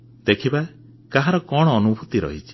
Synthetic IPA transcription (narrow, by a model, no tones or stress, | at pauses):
d̪̥ekʰiba | kaɦaɾɔkɔɽ̃ɔːnubʱut̪iɾɔ̰ɦit͡ʃʰi̥